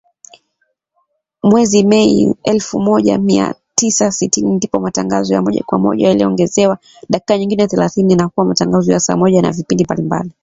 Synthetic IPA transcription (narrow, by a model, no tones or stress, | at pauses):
mwɛzimɛiɛlfumɔʄa̰mia̰tisasitinindipɔmataŋɡazɔja̰mɔʄa̰kwa̰mɔ̰ʄa̰jaliɔŋɡɛzɛwa | ɗaki̥kaɲiŋɡinɛθɛlaθiniinakuwamataŋɡazɔjasa̰ːmɔʄana̰vipindimbalimba̰li